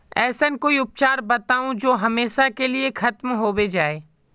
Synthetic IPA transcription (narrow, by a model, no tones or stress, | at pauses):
ɛːsənkoːiʊp̚t͡ʃaːɾbɐt̪aːũd͡ʒoːɦɐmeːʃakeliexɐt̪mɦoːwed͡ʒaːeː